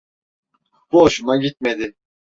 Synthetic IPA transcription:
b̥uaʃunaɟit̪̚med̪ɪ

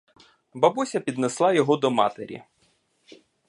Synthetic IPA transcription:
bɐbusʲɐpʲid̪neslˠɑjɔɦɔd̪ɔmɑ̰t̪ḛɾʲḭ

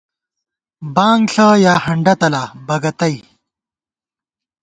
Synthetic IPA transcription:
baːŋɡɬajaːhɐɳɖɐt̪ɐlabɐɡɐt̪ɐj

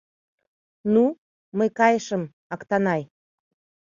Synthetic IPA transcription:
nu | məjkɑjəʃəm | ɑkt̪ɑnɑj

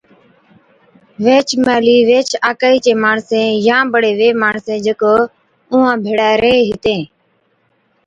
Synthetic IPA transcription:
ʋeːt͡ʃʰmaːliːʋeːt͡ʃʰaːkaːiːt͡ʃẽːmaːɳsẽːjãːbəɽeːʋeːmaːɳsẽːd͡ʒəko | ʊːãːbʱeːɽaːɾeːɦɪt̪ẽː

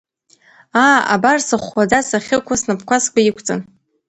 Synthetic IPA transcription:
aːa̰barsɨχʷad͡zasaχʲɪkʷʰasnɨpʰkʷʰaskʷʼaikʷʰt͡sʼan

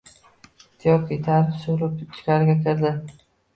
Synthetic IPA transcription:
t̪ʰijɒkʲʰit̪ʰaɾɪpsoɾɪp̚t͡ʃ̪ʰɪ̥kʲaɾɡʲakʲʰɪɾd̪ɪ

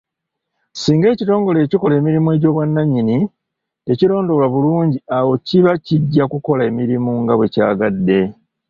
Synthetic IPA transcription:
siːŋɡe̞ːcito̞ːŋɡo̞le̞ːciko̞le̞ːmiɾimue̞ɟo̞ːβwanːaɲːini | te̞ciɾo̞ːndo̞laβuluːɲɟiawo̞ciβaciɟːakuko̞lae̞miɾimuŋɡaβweca̰ːɡadːe̞

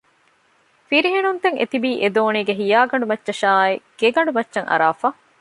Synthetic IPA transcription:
fiɾiɦenunt̪eŋḛt̪ibiːʔed̪oːniːɡeɦijaːɡɐɳɖumɐtːʃɐʃaːiɡ̥eɡɐɳɖumɐtːʃɐŋʔɐ̰ɾaːfa

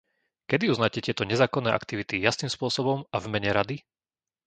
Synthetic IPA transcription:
kɛd̪iuznaːcɛt̪ɪɛt̪ɔɲɛzaːkɔnːɛːʔa̰kt̪iʋit̪ijasnimspʊɔsɔbɔmavmɛɲɛɾad̪i

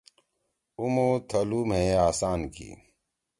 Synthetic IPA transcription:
umoːt̪ʰɐluːmɦeːaːsaːnkḭː

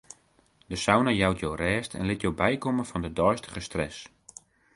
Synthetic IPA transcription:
dəsawnəjawtʰjoːrɛːstʰɛ̰nlɪtjowbɛjkoməfɔndədɔjstə̥χəstrɛ̰s

